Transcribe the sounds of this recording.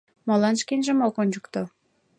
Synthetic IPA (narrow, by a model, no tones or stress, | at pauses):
molɑnʃkenʒĕmokonʲd͡ʒukt̪o